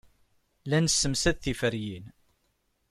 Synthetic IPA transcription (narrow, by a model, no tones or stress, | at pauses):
lænəsːəmsæðθifəɾjin